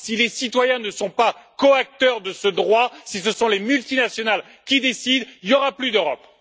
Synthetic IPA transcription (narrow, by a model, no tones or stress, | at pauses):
silesit̪wajɛ̃nəsɔ̃pakɔak̚t̪œʁd̪əsəd̪ʁwasisəsɔ̃lemylt̪inasjɔnal | kʲid̪esid̪iljɔʁaplyd̪øʁɔ̰p